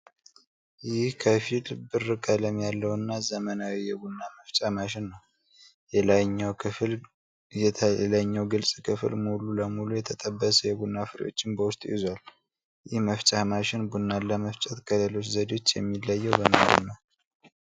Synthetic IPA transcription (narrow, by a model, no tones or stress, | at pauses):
jɪhkʰəfilbɨrːɨkʼələmjalːəwɨnːazəmənawijɛɡunːaməft͡ʃʼahmaʃɪnːəw | jɛlajɲːawkʰɨfɨl | jɛt̪ʰəɛləɲːəwɡɨlsʼkʰɨfɨlmululəmulujɛt̪ʰət̪ʼəbːəsəjɛɡunːafɨɾḭjo̞̰t͡ʃːɪnbəwʊst̪ʼjɪ̰zwal | jɪhməft͡ʃʼahmaʃɪnbunːalːəməft͡ʃʼɛt̪ɡələlo̞t͡ʃzəd̪o̞t͡ʃːjɛ̰mːilːaəjːɛwbəmə̰ṵnːa